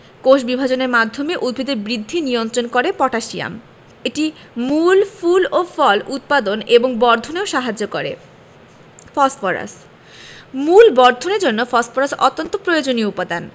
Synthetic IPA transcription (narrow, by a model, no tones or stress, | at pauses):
koʃbibʱad͡ʑoneɾmad̪ʱːomeʔud̪̚bʱid̪eɾbɾid̪ʱːinijont̪ɾonkoɾepɔʈʰaʃia̰m | eʈi | mulfulofɔlut̪̚pad̪oneboŋbɔɾd̪ʱoneoʃaɦad͡ʑokoɾḛ | fɔsfoɾa̰s | mulbɔɾd̪ʱoneɾd͡ʑonːofɔsfoɾasɔ̰t̪ːont̪opɾojod͡ʑonioupad̪an